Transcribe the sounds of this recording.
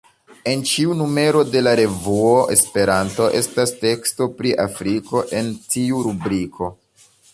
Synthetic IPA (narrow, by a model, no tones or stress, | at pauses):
e̞nt͡ʃiunume̞ɾo̞de̞laɾe̞vuoʔe̞spe̞ɾanto̞ʔe̞̰staste̞ksto̞pɾiʔafɾiko̞ʔe̞ntiuɾubɾikʰo̞